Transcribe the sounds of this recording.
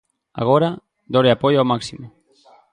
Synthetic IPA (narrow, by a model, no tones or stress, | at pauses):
a̰ɣ̞oɾa | d̪oɾeapojawmaksimo